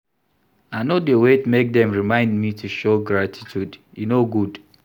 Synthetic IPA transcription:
anodewetmek̚dɛ̃mɹimãɪ̃ndmitʰuʃoɡɹatʰi̥tʰud | inoɡud

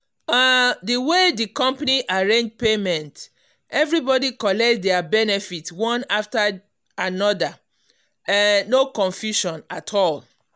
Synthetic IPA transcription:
adiwedikɔ̃mpaniʔaɹẽnd͡ʒpemɛ̃nt | ʔɛvɹibɔdikɔlɛk̚t̚dɛabɛnɛfitwɔ̃nafta | anɔda | nokɔ̃ɱfjuʃɔ̃natʰɔl

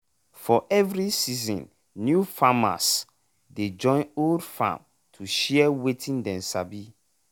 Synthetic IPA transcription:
fɔʔɛvɹisizɔ̰̃nː | jufama̰s | ded͡ʒɔ̃ɪ̃noldfã̰m | tʰuʃɛɛwetʰĩndɛ̃nsabi

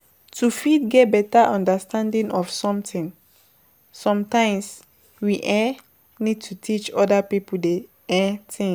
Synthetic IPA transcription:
tʰufidɡɛt̚bɛtaʔɔ̃ndastʰãndĩŋɔfsɔ̃mtĩn | sɔ̃mtãɪ̃ms | wiʔɛ | nid̚tʰutʰit͡ʃɔdapipulde | ɛ̃tʰĩŋ

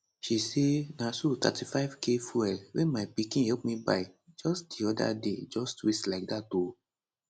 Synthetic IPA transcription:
ʃisenãsutʰa̰tifaɪvkefuɛwɛ̃mapikĩhɛp̚mĩbaid͡ʒɔsdiɔda̰ded͡ʒɔstwislak̚dato

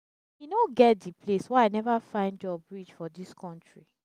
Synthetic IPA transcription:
inoɡɛt̚dipʰleswɛaɪnɛvafãɪ̃ndjɔbɹit͡ʃfɔdiskʰɔ̃ntɹi

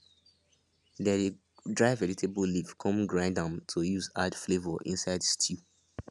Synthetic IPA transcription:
dɛde | dɹaɪvɛɹitʰebəlifkʰɔ̃mɡɹãɪ̃ndãmtʰujuzadflevəʔḭ̃nsaɪdstʰju

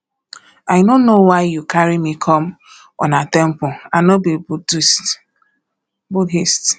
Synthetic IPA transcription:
ajnonowaɪjukʰaɾimikʰɔm | ɔ̰natɛ̃m̩pʊanobibudst | budɦist

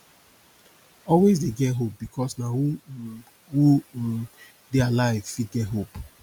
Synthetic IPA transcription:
ɔlwesdeɡɛtɦop̚bikʰɔsnau | wu | dealaɪvfit̚ɡɛtɦop

